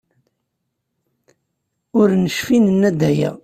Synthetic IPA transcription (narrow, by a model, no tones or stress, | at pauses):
ʊɾnəʃfinənːæd̪æjæ̰